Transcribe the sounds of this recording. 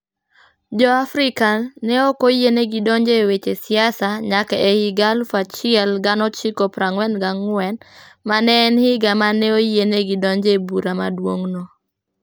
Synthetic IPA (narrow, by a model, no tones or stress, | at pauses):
d͡ʒɔafɾikanɛɔkojeneɡidɔɲd͡ʒewet͡ʃesɪasaɲakɛɛhiɡalfat͡ʃɪɛlɡanɔt͡ʃikɔpɾaŋwɛnɡaŋwɛnmanɛːnhɪɡamanɛojeneɡidɔɲd͡ʒebuɾama̰dwoŋno